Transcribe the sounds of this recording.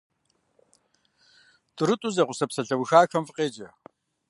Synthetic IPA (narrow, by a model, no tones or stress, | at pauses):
tɨɾɨtʷʼʊzɐqʷʊsɐpsɐɬɐwxaːxɐmfɨqʼeːd͡ʒʼɐ